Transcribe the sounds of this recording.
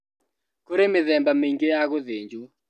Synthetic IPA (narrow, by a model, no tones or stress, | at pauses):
koɾemɪðɛmbameiŋɡeaɣoðeɲd͡ʒu